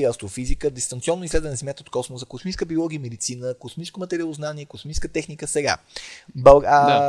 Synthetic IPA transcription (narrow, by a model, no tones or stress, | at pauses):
ɐst̪ɾofizikəd̪ɛst̪ɐnt̪siɔnːoislɛd̪vənɛzɛmjat̪əot̪̚kɔsmosəkosmĩskəbiolˠɔɡiəmɛd̪it̪sinəkosmiskomɐt̪ɛɾialˠoznaniɛkosmĩskət̪ɛxnikəsɛɡa̰bɐɡ